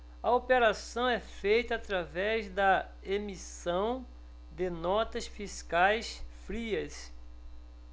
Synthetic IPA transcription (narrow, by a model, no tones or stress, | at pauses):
ɐopeɾasɐ̃w̃ɛfejt̪ɐːt̪ɾavɛzd̪ɐ | emisɐ̃w̃ | d̪ɪnɔt̪ɐsfiskajsfɾiɐs